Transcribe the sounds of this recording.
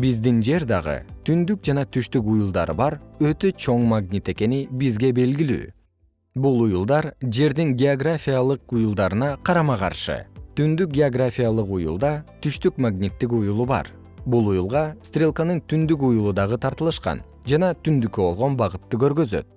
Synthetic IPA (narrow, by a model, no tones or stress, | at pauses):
bizd̪ind͡ʒe̞ɾd̪ɑʁɯ̰t̪ʰynd̪yk̚d͡ʒɑnɑt̪ʰyʃt̪ykujulˠd̪ɑ̰ɾɯbɑɾø̞t̪ø̞t͡ʃʰo̞ɴmaɡnʲit̪e̞ke̞nibizɡe̞be̞lɡily̰ː | bulˠujulˠd̪ɑɾd͡ʒe̞ɾd̪iŋɡʲeoɡrafʲijalˠɯqujulˠd̪ɑɾɯnɑqʰɑɾɑmɑqɑ̰ɾʃɯ̰t̪ynd̪yk̚ɡʲeoɡrafʲijalˠɯqujṵlˠd̪ɑt̪ʰyʃt̪ykmaɡnʲit̪ːikujulˠuβɑ̰ɾ | bulˠujulˠʁɑst̪rʲelˠkanɯɴt̪ʰynd̪yk̬ujulˠud̪ɑʁɯt̪ʰɑɾt̪ɯlˠɯʃqɑ̰n | d͡ʒɑnɑt̪ʰynd̪ykːøbo̞lˠʁo̞nbɑʁɯt̪ːɯkø̞ɾɡø̞zø̞̰t̪̚